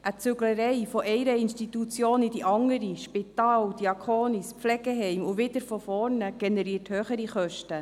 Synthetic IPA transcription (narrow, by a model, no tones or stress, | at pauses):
ʔət͡sʏɡləɾɛɪfɔʔɛɪɾəinʃtitut͡sjoːnid̥iʔɑŋəɾiʃpit̪ɑːld̥̪iɑkʰoːnispflɛɡ̥ɛɦɛɪmʊʋɪd̥̪əɾfɔfɔːɾnəɡ̥enɛɾiːɾthøːχəɾiχœʃtə